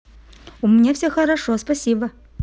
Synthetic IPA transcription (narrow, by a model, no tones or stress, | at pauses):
umnʲefsʲexɐɾaʂospɐsʲibɐ